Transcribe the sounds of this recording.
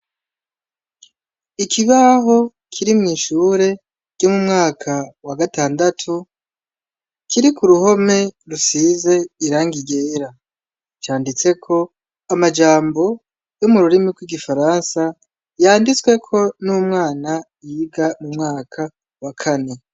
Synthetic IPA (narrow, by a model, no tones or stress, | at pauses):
ikiβaɦo̞ | kʰiɾimŋiːʃuɾe̞ | ɟomumŋaːkʰawaɡataːndatʰu | kʰiɾikuɾuho̞me̞ɾusize̞iɾaːŋɡiɡe̞ɾa | t͡ʃaːndit͡se̞kʰo̞ | amad͡ʒaːmbo̞ | jomuɾuɾimiɡɡwiɡifaɾansa | jaːndit͡swe̞kʰo̞numŋaːna | jiɡamumŋaːkʰa | wakʰane̞